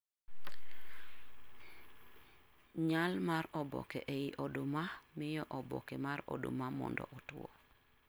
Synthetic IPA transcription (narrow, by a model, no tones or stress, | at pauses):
ɲalmarɔbɔ̰kɛʔeiʔɔdomamɪjɔʔɔbɔkɛmaɾɔ̰do̰mamɔ̰ndɔ̰ʔɔtwɔ̰